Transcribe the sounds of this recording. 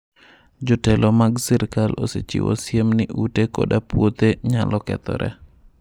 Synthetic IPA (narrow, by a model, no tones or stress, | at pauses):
d͡ʒɔtɛlɔmaɡsiɾkalʔoset͡ʃḭwɔ̰sjemnɪʔutekoɔ̰ɗapwot̪eɲalɔkɛt̪ɔɾʔɛ̰